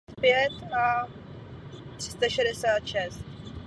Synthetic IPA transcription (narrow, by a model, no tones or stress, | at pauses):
t̪pjɛt̪a | t̪r̥ɪ̥st̪aʃɛdɛsaːt̪ʃɛst̪̚